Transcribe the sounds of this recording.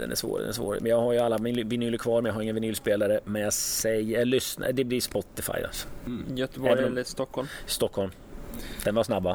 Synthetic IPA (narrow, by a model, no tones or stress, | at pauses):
d̪ɛ̰næ̰ʂvo̰ːɾd̪ɛ̰næsvo̰ːɾ̰mɛnjɑːɡhaɾjəalːamɪvɪnyːlːəɾkʰvɑːɾmɛnjɑɦaɾɪŋːənvɪnyːlspeːlaɾəmɛnjasɛjɛlʏsna̰d̪ɛblɪspɔt̪ːɪfa̰jːa̰sɔ̥jɛt̪ːəbdɛst̪ɔkʰːɔlmst̪ɔkʰːɔlm | d̪̥ɛnvaʂsnabːa